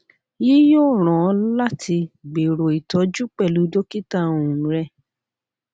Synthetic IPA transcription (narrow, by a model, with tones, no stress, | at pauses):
ji˦joː˦˨ɾ̃ɔ̃˨˦la˦tʰi˧ɡ͡be˨ɾo˨i˨tɔ˨˦d͡ʒu˦k͡pɛ˦˨lu˨˦do˦ki˦ta˦õ˨ũ˨ɾɛ˧